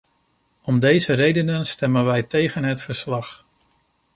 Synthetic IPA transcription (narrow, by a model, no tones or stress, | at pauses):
ɔmdejzərejdənənstɛmənʋɛjtejχənɦətfəɹslɑχ